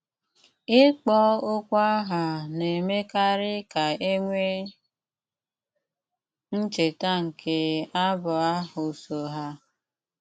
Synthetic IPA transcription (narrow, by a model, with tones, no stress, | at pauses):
ɪ˦k͡pɔ˦ʊ˦kʷa˦ɦa˨ne˨me˦ka˦ɾɪ˦ka˨e˦ŋʷe˦ | n̩˦t͡ʃe˨ta˦ŋ̩˨kʰe˦a˦bʊ˨a˦ʊ˨so˨ɦa˦